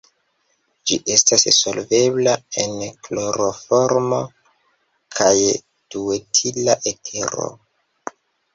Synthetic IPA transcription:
d͡ʒiʔe̞stasso̞lve̞blae̞nkloɾofo̞ɾmo̞ | kʰaj | d̥uetʰilaʔetʰe̞ɾo̞̰

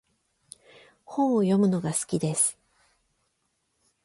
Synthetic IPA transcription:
hõojo̞mɯ̟no̞ɡasɨ̥kʲid̪e̞sɨ̥

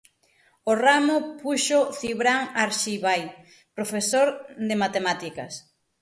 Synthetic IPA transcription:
oramʊpuʃoθiβɾaŋaɾʃiβaj | pɾofesoɾðemat̪emat̪ikɐ̰s

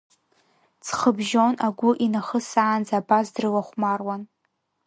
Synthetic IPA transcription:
t͡sʰχəbʒo̞naɡʷʊʔinaχəsaːnd͡zaːbazdrɨlaχʷmarwan

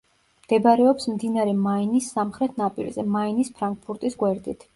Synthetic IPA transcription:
md̪̥ɛbaɾɛɔpsmd̪inaɾɛmainisːamχɾɛt̪ʰnapʼiɾzɛmainispʰɾaŋk̚pʰuɾt̪ʼisɡwɛɾd̪it̪ʰ

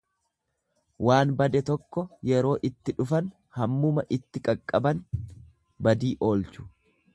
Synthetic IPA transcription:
waːnbɐd̪ɛt̪ɔkːɔjɛɾo̞ːʔɪt̪ːɪᶑʊfɐn | hɐmːʊmɐʔɪt̪ːɪkʼɐkʼːɐbɐn | bɐd̪iːʔo̞ːlt͡ʃʊ̥

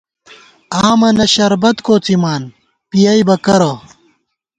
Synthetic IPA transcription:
aːmɐnɐɕɐɾbɐt̪koːt͡simaːn | pijɐibɐkɐɾo

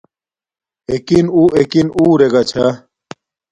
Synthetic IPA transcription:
ekinuekinuːɾeɡat͡ɕʰa

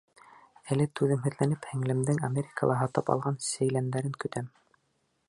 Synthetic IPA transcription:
ælɘt̪ʉðɘ̆ŋɦɘ̆ðlænɘphæŋlɘ̆md̪ɘŋamʲeɾʲɪkəlˠɑɦɑt̪ɤpɑ̰lˠʁɑnsæ̆jlænd̪æɾɘŋkɵ̆t̪æm

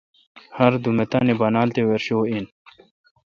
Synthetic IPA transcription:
hɐɾd̪umet̪aːnebɐnaːlt̪eweɾɕoːin

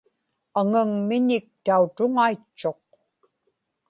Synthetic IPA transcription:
aŋəŋmɪɲɪk̚t̪aut̪ʊŋait͡ʃːo̞q̚

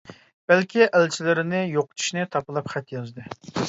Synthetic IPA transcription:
b̥ælkʲʰiʔælt͡ʃʰilɪɾɪnɪjoqʊ̥t̪ʰu̥ʃnɨt̪ʰɑpɨlˠɑpχæt̪jɑzd̪ɨ

